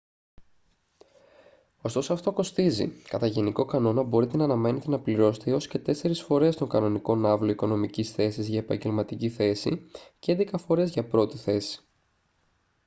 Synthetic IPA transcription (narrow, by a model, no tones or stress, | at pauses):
o̞st̪o̞soɐft̪o̞ko̞st̪izḭkɐt̪ɐʝe̞niko̞kɐno̞nɐbo̞ɾit̪e̞nɐːnɐme̞ne̞t̪e̞nɐpliɾo̞set̪eio̞sce̞t̪e̞se̞ɾisfo̞ɾe̞st̪o̞ŋɡɐno̞niko̞nɐvlo̞iko̞no̞micisθe̞sizʝɐe̞pɐ̰ɲɟe̞lmɐt̪iciθe̞sḭceend̪ekɐfo̞ɾe̞zʝɐpɾo̞t̪iθe̞si̥